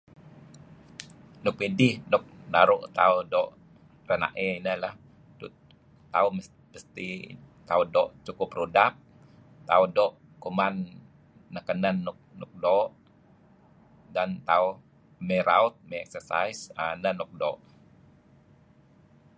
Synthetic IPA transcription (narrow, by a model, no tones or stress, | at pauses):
nʊk̚medɪhnʊk̚naɾʊʔt̪audɔʔ | rəna̰ʔɛinəlah | du | t̪au | pəst̪i | t̪audɔʔt͡ʃukʊprudap̚ | t̪audɔʔ | kumanː | akənənːʊk̚nuk̚dɔʔ | dant̪au | meɾaut̪̚meɛ̰k̚sərsa̰jsanənɔk̚dɔ̰ʔ